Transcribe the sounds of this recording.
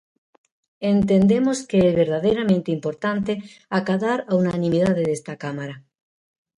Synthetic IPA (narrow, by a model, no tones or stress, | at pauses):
ent̪end̪emoskeezβeɾðaðejɾamẽnt̪eimpoɾt̪ant̪eakaðaɾaunanĩmiðað̞eðest̪akamaɾa